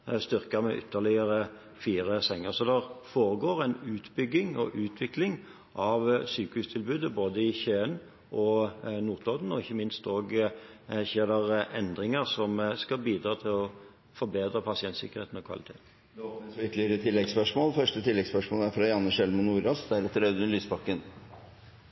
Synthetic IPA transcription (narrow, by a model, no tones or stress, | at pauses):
st̪ʏɾkəɾmɛ̰ʔʏ̰t̪ʰːəʁlɪəɾə | fiːɾəsɛŋːəɾsɔd̪ɛʁfoːɾəɡoːʁænʉːt̪bʏɡːɪŋɔ̰ʔʉːt̪ʰʋɪklɪŋ | ʔɑʋsyːkəhʉːst̪ʰɪlbʉːd̪əboːd̪əɪçøːən | ʔɔnuːt̪ʰlɔd̪n̩ɔɪçːəmɪnst̪oːɡ | çeːd̪ɛʁʔɛnd̪ɾɪŋəɾsɔmskɑlbiːd̪ɾɑːt̪ʰɪlɔ | fɔɾbeːd̪ɾəpʰɑsɪɛnt̪sɪkːəʁɾeːt̪n̩ɔkʰʋɑ̰lɪt̪ʰḛːt̪n | d̪ɛɔpɛnsɔʏt̪ːlɪəɾət̪ʰɪlːɛɡspœʂmoːlfœʂʈət̪ʰɪlːɛɡspœʂmoːləæɾfɾɑjɑnːəʃɛlmənuːɾɑsd̪æɾɛt̪ːəɾœʉd̪nlyːsbɑkːən